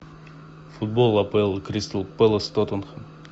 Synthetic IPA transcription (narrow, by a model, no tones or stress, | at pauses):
fʊd̪̚bolˠɐpɛlˠkɾʲist̪əlˠpɛlˠəst̪ot̪onxə